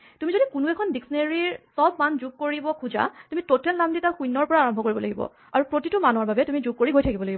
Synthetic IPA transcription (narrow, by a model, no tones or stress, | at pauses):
tumizodikunuɛkʰɔndiksɔneɹiɹsɔb̚mand͡ʒuɡ̚koɹibɔkʰuza̰tumitotʰɛlnamditaxujnːɔɹpɔɹaaɹɔmbʱɔkoɹibɔla̰ɡibɔ̰ | aɹupɹotitumanɔaɹbabɛtumizuɡ̚koɹiɦojtʰakibɔlaɡibɔ